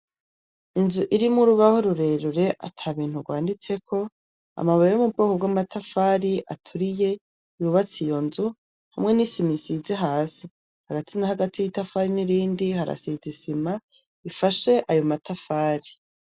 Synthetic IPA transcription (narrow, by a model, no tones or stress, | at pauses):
inzuʔiɾimuɾuβaho̞ɾuɾe̞ːɾuɾe̞ʔa̰tʰaːβiːn̥huɡwaːndit͡se̞ko̞ | a̰maβajejomub̚ɡoːkobɡamatʰafaːɾiʔa̰tʰuɾije̞ | juːβat͡sijo̞nzu | hamŋe̞nisimisizeɦaːsi | haɡatʰinahaɡatʰijitafaːɾiniɾiːndihaɾa̰sizisima | ifaʃe̞ʔajo̞matʰafaːɾi